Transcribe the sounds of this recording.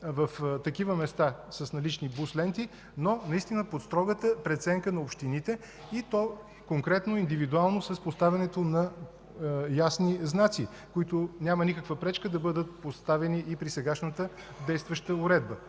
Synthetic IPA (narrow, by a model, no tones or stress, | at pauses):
vəft̪ɐkivəmɛst̪asəsnɐlit͡ʃnibuslɛnt̪i | nonɐist̪inəpot̪st̪ɾɔɡət̪əpɾɛt̪sɛŋkənɐopʃt̪init̪ɛ | it̪ɔ | koŋkɾɛt̪noind̪ivid̪ualˠnosɐspost̪avʲɐnɛt̪onɐ | jasniznat̪si | koit̪onʲamənikəkvəpɾɛt͡ʃkəd̪ɐbɤd̪ət̪̚post̪avɛniʔːpɾisɛɡaʃnət̪ə | d̪ɛjst̪vəʃt̪əʊɾɛd̪̚bə